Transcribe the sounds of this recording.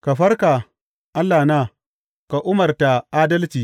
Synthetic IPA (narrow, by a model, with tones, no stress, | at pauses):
ka˨ɸɐ˦rkaː˨ | ʔa˦lːaː˨naː˦˨ | ka˨ʔʊ˦mɐ˨rta˨ʔaː˦dɐ˦lt͡ʃiː˨